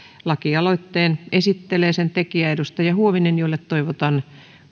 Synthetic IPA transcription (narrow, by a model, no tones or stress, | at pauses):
lɑkiɑloit̪ːeːnesit̪ːeleːsent̪ekiæedust̪ɑjɑhuoʋinenjoilːet̪t̪oiʋot̪ɑn